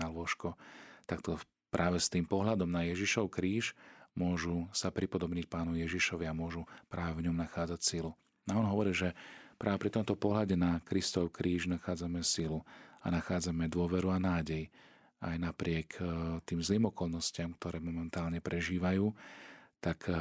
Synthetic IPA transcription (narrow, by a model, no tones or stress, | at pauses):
alʊɔʃkɔt̪akt̪ɔ | pɾʔaːʋɛst̪iːmpɔɦlad̪ɔmnajɛʒiʃɔʊkɾiːʃmʊɔʒusapɾipɔd̪ɔbɲɛc̚paːnɔjɛʒiʃɔʋɪamʊɔʒupɾaːʋɛvɲɔmnaxaːd͡zacsilu | aɔnɦɔʋɔɾiːʒɛpɾaːʋɛpɾit̪ɔmt̪ɔpɔɦlaɟɛnakɾist̪ɔʊkɾʔiːʒnaxaːd͡zamɛsilua̰naxaːd͡zamɛd̪ʊɔʋɛɾuanaːɟɛj | ajnapɾɪɛkt̪iːmzliːmɔkɔlnɔscɪamkt̪ɔɾɛːmɔmɛnt̪aːlɲɛpɾʔɛʒiːʋajuːt̪ak